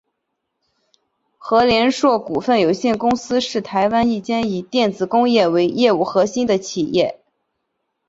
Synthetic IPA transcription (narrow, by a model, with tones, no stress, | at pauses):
xɤ˧˥ljɛ˧˥nʂwɔ˥˩ku˨˩fə˥˩njo˨˩ʊɕjɛ˥˩nkʊ˥ŋsɹ̩˥ʂɻ̩˥˩t̪ʰa˧˥ɪwa˥ni˥˩t͡ɕjɛ˥ni˨˩t̪jɛ˥˩nt͡sɹ̩˨˩kʊ˥ŋjɛ˥˩we˧˥ɪjɛ˥˧u˥˩xɤ˧˥ɕi˥nd̪ə˨t͡ɕʰi˨˩jɛ˥˩